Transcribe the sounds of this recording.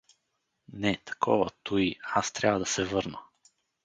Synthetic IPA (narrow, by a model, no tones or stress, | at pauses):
nɛt̪ɐ̥kʰɔvət̪uiast̪ɾʲabvəd̪ɐsɛvɤɾnə